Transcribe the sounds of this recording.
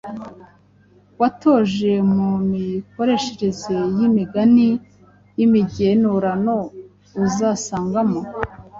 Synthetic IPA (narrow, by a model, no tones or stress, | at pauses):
wato̞ʒe̞mumiko̞ɾe̞ʃeɾe̞zejimiɡani | jimiɟe̞nuɾano̞ | uzasaːŋɡamo̞